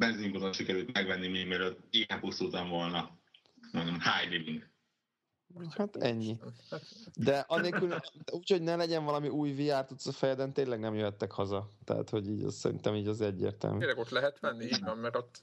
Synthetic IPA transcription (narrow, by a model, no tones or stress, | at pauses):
bɛnziŋɡod̪onʃikɛɾylt̪mɛɡvɛnːimiːmiløt̪ːiːɛnpusuːt̪ɒɱvo̞lnɒ | mond̪omhaːjdibiŋɡ | hat̪ɛɲːi | d̪ɛʔɒneːlkyluːcho̞ɟnɛlɛɟɛɱvɒlɒmiʔuːjviaːrt̪ut̪sɒfɛjɛd̪ɛnt̪eːnlɛɡnɛmjøɦɛt̪ːɛkhɒzɒt̪ɛ̰a̰t̪ho̞ɟiːɟɛ̰ssɛ̰ɾḭnt̪ɛmiːɟɛzɛɟːḛːrt̪ɛ̰lmɾɛɡot̪lɛɦɛt̪ʋɛnːiiːɟvɛmmɛɾo̞t̪ː